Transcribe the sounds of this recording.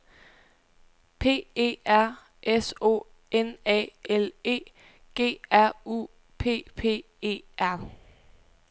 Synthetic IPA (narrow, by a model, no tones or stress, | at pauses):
pʰe̝̰ːe̝̰ːæɐ̰ | ʔeso̝̰ː | enɛ̰ːele̝̰ː | ɡ̥e̝̰ːæɐ̰ṵ | pʰe̝̰ːpʰe̝̰ː | e̝̰ːʔæɐ̰